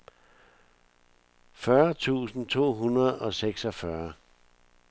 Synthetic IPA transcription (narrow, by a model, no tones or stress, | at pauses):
fɶɐt͡sʰṵːsn̩t͡sʰo̝̰ːɦunɐð̩ˠɒ̽seɡ̥sɒfɶɐ